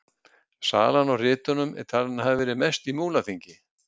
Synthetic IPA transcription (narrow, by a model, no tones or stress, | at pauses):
sa̰ːlanɔwrɪːt̪ʏnʏmʔɛ̰ɾt̪ʰaːlɪnaɦavɪvɛːɾɪmɛst̪imuːlaθiɲcɪ